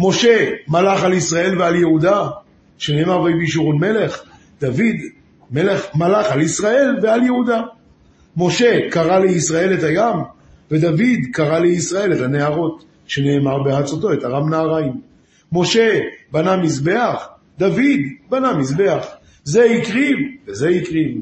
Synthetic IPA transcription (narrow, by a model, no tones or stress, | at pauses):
mo̞ʃe̞malaχalisʁae̞lvealjehuda | ʃene̞ːmaʁvejbiʃuʁunme̞le̞χ | d̪̥avid̪ | me̞le̞χmalaχalisʁae̞lvealjehud̪a | mo̞ʃe̞kaʁaleisʁae̞lethajam | ve̞d̪avid̪kaʁaleisʁae̞letane̞aʁo̞t | ʃe̞ne̞ːmaʁbehat͡soto̞etaʁamnaːʁaimː | o̞ʃe̞banamisbe̞aχ | d̪avid̪banamisbe̞aχ | zeikʁivvezeikʁiv